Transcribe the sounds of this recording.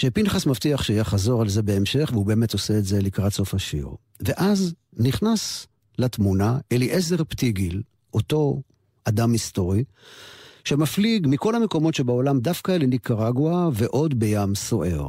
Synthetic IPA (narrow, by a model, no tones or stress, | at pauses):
ʃepinχasmaftiaχʃeajaχazo̞ʁalzebe̞emʃe̞χveube̞ːme̞to̞seːtze̞likʁatso̞faʃḭʁ | veʔaz | niχnas | latmunaʔeliʔeze̞ʁptiɡil | ʔo̞to̞ | adamisto̞ʁi | ʃe̞mafliɡmiko̞lameko̞mo̞tʃebao̞lamdafkalenikaʁaɡwaveʔo̞dbejamso̞ʔeʁ